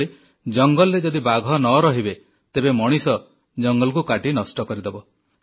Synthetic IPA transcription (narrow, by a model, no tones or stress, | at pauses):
i | d͡ʒɔŋɡɔlɾed͡ʒɔd̪ibaɡʱɔnɔɾɔɦibe | t̪ebemɔɽ̃isɔ | d͡ʒɔŋɡɔlkukaʈinɔsʈɔkɔɾid̪ebɔ